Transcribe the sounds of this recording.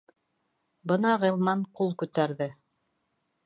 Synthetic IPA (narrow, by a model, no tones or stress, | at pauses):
bɤnɑʁɤ̆lˠmɑɴqulˠkʉt̪æɾðɘ